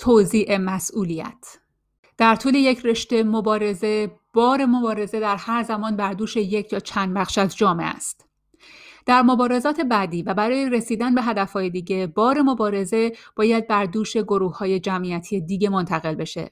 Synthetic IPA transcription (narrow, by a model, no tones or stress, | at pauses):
t̪ʰoziːʔe̞mæsʔuːlijæ̰t̪ʰ | d̪̥æɾt̪ʰuːle̞je̞cʰre̞ʃt̪e̞mobɒːɾe̞ze̞ | b̥ɒːɾe̞mo̞bɒːɾe̞ze̞d̪æɾhæɾzæmɒːnbæɾd̪uːʃe̞jecʰjɒːt͡ʃʰænd̪bæɣʃæzd͡ʒɒːme̞̰ʔæ̰st̪ | d̪̥æɾmo̞bɒːɾe̞zɒːt̪ʰebæd̪iːvæbæɾɒːje̞ɾe̞siːd̪ænbe̞ɦæd̪æfhɒːje̞d̪iːɟe̞b̥ɒːɾe̞mo̞bɒːɾe̞ze̞b̥ɒːjæd̪̚bæɾd̪uːʃe̞ɡo̞ɾuːhhːɒːje̞d͡ʒæmʔiæt̪ʰijed̪iːɟe̞mo̞nt̪ʰæɣe̞lbe̞ʃe̞̰